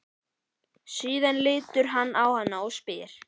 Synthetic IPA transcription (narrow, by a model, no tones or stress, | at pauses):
siːðanlɪːt̪ʏɾ̥ɦanːawhanːaɔɣspɪːɾ̥